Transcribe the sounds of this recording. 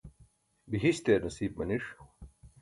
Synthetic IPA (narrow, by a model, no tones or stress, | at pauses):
biɦiɕt̪eːɾnɐsiːb̚mɐniʂ